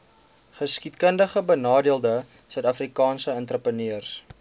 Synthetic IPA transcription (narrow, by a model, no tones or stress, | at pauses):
χəskitkəndəχəbənɑːdiəlˠdə | sœɥtɐfrikɑːnsəəntrəpəniərs